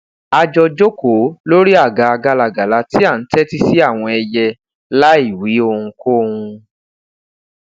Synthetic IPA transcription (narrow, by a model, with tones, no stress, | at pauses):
a˧d͡ʒɔ˧d͡ʒo˦ko˨˦lo˦ɾi˦a˦˨ɡa˨˧a˧ɡa˧la˨ɡa˨la˧˦ti˦a˦˨n̩˦tɛ˦ti˦si˦a˦˨w̃ɔ̃˧ɛ˧jɛ˧ | la˦i˦˨wi˨˦o˧hũ˧ko˦˧hũ˧